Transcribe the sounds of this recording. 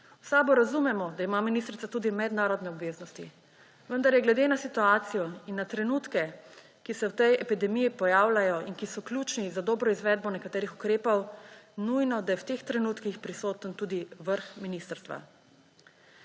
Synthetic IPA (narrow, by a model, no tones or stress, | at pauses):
wsabɔɾazumɛmɔd̪aimaːminist̪ɾit̪sat̪uːd̪imɛd̪naːɾɔd̪nɛɔbʋeːznɔst̪i | ʋənd̪aɾjɛɡlɛd̪enasit̪uaːt̪sijɔinːat̪ɾɛnuːt̪kɛ | kisɛwt̪ɛjɛpid̪ɛmijipɔjaːwlajɔinkisɔklʲjuːt͡ʃnizad̪ɔːbɾɔizʋɛːd̪̚bɔnɛkat̪eːɾixukɾeːpɔwnujnɔd̪ajɛwt̪ext̪ɾɛnuːt̪kixpɾisoːt̪ənt̪uːd̪iʋəɾxminist̪əɾst̪ʋa̰